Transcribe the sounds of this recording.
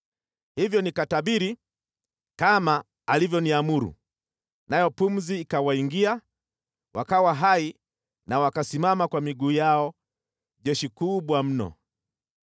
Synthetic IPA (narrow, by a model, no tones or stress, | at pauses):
hivjɔnikataɓiɾi | kamaː | livjɔniamuɾṵ | najɔpum̩ziːkawaiŋɡia | wakawaɦai | nawakasimamakwamiɡuːjaɔ | ʄɛʃikuɓwam̩nɔ̰